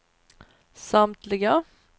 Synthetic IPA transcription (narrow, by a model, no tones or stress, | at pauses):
samt̪ʰlɪɡə